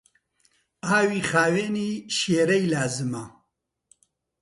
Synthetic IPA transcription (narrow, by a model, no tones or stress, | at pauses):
aːwiːχaːweːniːʃeːɾɐjlaːzɨmɐ